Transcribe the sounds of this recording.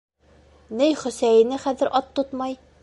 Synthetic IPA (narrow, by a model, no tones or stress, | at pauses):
nɘjχɵ̆sæjɘ̆nɘχæðɘ̆ɾʔɒt̪ːot̪mɑj